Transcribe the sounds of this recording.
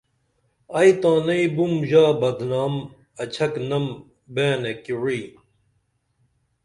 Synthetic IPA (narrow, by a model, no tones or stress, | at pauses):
ɐjt̪ãːnɐibumʑaːbɐd̪naːm | ɐt͡ɕʰɐknɐm | beːnekiɻiː